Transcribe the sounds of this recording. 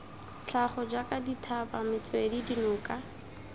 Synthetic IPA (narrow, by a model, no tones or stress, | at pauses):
t͡ɬʰaχɔd͡ʒakʼaditʰabamɪt͡swedidinʊːkʼa